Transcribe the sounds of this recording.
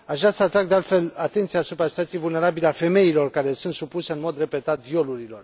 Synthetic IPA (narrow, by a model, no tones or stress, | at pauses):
aʃasəat̪ɾaɡd̪ealt̪fe̞lat̪e̞nt̪sijaːsupɾasi̥t̪wat̪sijevulne̞ɾabileafe̞me̞ilo̞rkaɾe̞sunt̪supuse̞ɨnmo̞d̪re̞pe̞t̪at̪̚d̪jo̞luɾilo̞r